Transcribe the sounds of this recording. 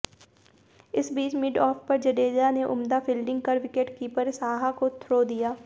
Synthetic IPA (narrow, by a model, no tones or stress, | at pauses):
ɪsbiːt͡ʃmɪɖɔːfpɐɾd͡ʒəɖeːd͡ʒaneʔʊmd̪apʰiːlɖɪ̃ŋɡ̚kɐɾʋɪkeʈkiːpəɾsaːɦakot̪ʰɾoːd̪ijaː